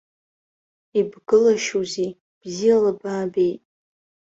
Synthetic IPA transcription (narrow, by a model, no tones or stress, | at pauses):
ibɡɨlaʃuzi | b̥zialabaːbe̞jtʼ